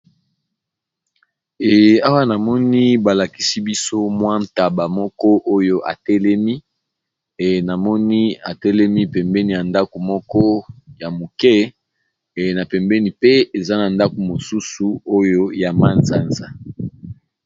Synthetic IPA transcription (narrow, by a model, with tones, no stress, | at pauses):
ɛ˨a˦wa˦na˨mɔ˦ni˦ba˨la˨ki˦si˦bi˦so˦mwa˦n˨ta˨ba˨mɔ˦kɔ˦ʔo˦jo˦ʔa̰˨tɛ˦lɛ˦mi˦˨ | na˨mɔ˦ni˦a˨tɛ˦lɛ˦mi˦pɛ˨mbɛ˦ni˨ja˨nda˦ko˨mɔ˦kɔ˦ja˨mo˨kɛ˦˨ | na˨pɛ˨mbɛ˦ni˨pe˦e˨za˦na˨nda˦ko˨mo˨su˦su˨o˦jo˦ja˨ma˦nza˦nza˨